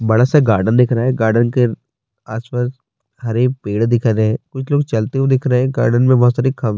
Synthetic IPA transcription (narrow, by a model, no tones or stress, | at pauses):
bɐɽasaɡaːɾɖənd̪ɪkʰɾaɦɛːɡaːɾɖənke | aːspaːs | hɐɾepeːɽd̪ɪkʰːleɦɛ̃ːkʊt͡ʃʰloːɡt͡ʃɐlt̪eɦed̪ɪkʰɾɐeɦɛ̃ɡaːɾɖənmẽbɔɦːt̪saːɾikʰɐm